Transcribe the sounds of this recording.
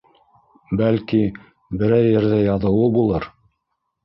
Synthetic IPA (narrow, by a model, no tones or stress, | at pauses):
bælki | bɘ̆ɾæjːɘ̆ɾðæjɑðɤ̆wɤbulˠɤɾ